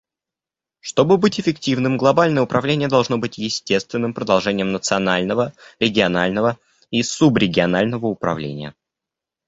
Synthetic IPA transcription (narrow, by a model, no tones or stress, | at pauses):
ʂt̪o̞bɨbɨtʲɪfʲɪktʲivnɨmɡlˠɐbalʲnəjəʊpɾʔɐvlʲenʲɪjəd̪ɐlˠʐno̞bɨtʲjɪsʲtʲe̞st̪vʲɪnːɨmpɾəd̪ɐlˠʐɛnʲɪjəmnət̪sɨɐnalʲnəvəɾʲɪɡʲɪɐnalʲnəvə | isubɾʲɪɡʲɪɐnalʲnəvəʊpɾɐ̰vlʲḛnʲɪjə̰